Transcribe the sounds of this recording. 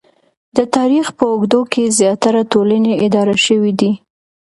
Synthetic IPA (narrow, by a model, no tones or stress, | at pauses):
d̪ət̪ɑɾixpəʊɡd̪okʰezjɑt̪aɾat̪oləneɪd̪ɑɾaʃəwid̪i